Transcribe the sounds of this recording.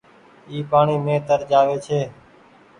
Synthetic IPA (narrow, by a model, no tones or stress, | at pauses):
iːpaːɳiːmẽːt̪əɾd͡ʒaːʋeːt͡ʃʰeː